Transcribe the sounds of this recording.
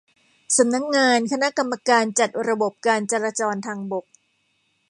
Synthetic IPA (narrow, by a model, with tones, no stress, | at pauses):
sa˨˩˦mna˦˥k̚ŋaː˧nkʰa˧na˦˥ka˧mːa˧kaː˧nt͡ɕa˨˩t̪̚ɾa˧bo˨˩p̚kaː˧nt͡ɕa˧ɾaː˧t͡ɕɔː˧nt̪ʰaː˧ŋbo˨˩k̚